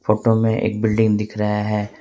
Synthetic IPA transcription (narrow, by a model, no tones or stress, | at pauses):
foːʈomẽʔḛːk̚bɪlɖɪ̃ŋɡd̪ɪkʰɾɐɦaɦɛː